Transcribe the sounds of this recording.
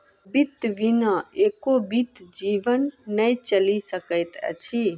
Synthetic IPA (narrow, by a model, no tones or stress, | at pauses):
bit̪ʋinəekobit̪d͡ʒiʋənːəjt͡ʃəlisəkəjt̪ə̰t͡ʃʰi